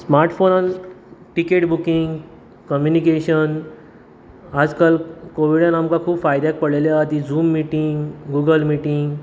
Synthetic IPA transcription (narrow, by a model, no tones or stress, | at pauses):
smaɾʈfonanʈikeʈbukiŋɡ | kəmjunikeɕən | ad͡zkalkoʋiɽjãnamkakʰuːpfajd̪jak̚pəɽleljaːt̪id͡zuːmːiʈiŋɡɡuːɡəlmiʈiŋɡ